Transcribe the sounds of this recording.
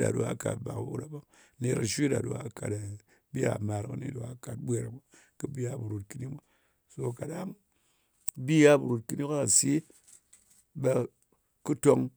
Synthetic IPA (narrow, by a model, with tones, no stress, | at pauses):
ɗa̰˨do̰˨a̰˨˦ka̰˨t̚ba̰˨kṵ˦ɾa˨bo˦ŋ | ne˧ɾa˨ʃʷi˦da̰˨ɗo˨a˨ka˨da˨ | bi˦a̰˨ma˨ɾkɨ˦nḭ˦ɗo˨a˨˦ka˨t̚bʷe˦ɾa̰˨bo˦ | kɨ˦bi˦a˦bu˨ɾo˨t̚ki˦ni˦mʷa˦ | so˧ka˨ɗa˦ŋ | bi˦ja˦bu˨ɾu˨t̚kɨ˦ni˦ka˦a˨si˦ | be˧ | kɨ˦to˧ŋ